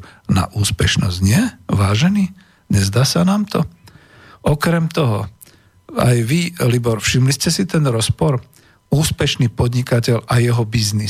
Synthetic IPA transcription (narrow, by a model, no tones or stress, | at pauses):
na̰ʔuːspɛʃnɔ̰zɟɲɪɛʋaːʒɛniː | ɲɛzd̪aːsanaːmt̪ʰɔ | ʔɔkɾɛmt̪ɔɦɔ | a̰jʋilibɔɾfʃimliscɛsit̪ɛnɾɔspɔɾ | uːspɛʃniːpɔd̪ɲikacɛʎajɛɦɔbizni